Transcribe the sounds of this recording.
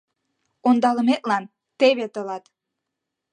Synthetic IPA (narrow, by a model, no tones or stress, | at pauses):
ond̪ɑləmet̪̚lɑn | t̪eβet̪ɤlɑt̪